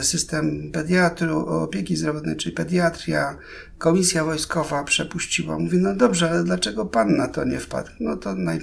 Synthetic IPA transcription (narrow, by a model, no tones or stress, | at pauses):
sɘst̪ɛmpɛd̪jat̪ɾuɔ̰pʲjekʲizd̪ɾɔvɔt̪nɛjt͡ʂɘlʲipɛd̪jat̪ɾʲja̰ | kɔmʲisʲjavɔjskɔvapʂɛpuɕt͡ɕiwa̰muvʲjɛnɔd̪ɔbʐɛalɛd̪lat͡ʂɛɡɔpanːat̪ɔɲɛfpa̰t̪nɔt̪ɔnaj